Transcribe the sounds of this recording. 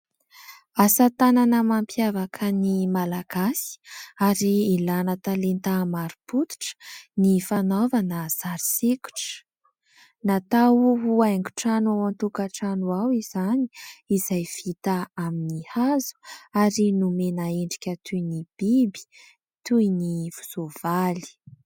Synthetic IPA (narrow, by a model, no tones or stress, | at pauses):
asat̪ananəmampjavakʰənimalaɡ̥asi̥aɾiilanət̪alent̪amaɾuput̪u̥ʈ͡ʂə̥nifanovanəz̥aɾiseku̥ʈ͡ʂə̥ | nat̪awuɦuajŋɡu̥ʈ͡ʂanawant̪ukaʈ͡ʂanuawizaniizajv̥it̪aaminihazu̥aɾinumenaeɳɖ͡ʐi̥kʲət̪ʰujnib̥ibi̥ | t̪ujniv̥u̥zov̥ali̥